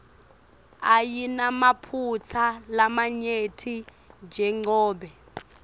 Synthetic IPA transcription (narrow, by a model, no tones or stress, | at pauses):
ajinamapʰut͡sʰalamaɲetʰi | d͡ʒʱɛŋ͡ǃɔːɓɛ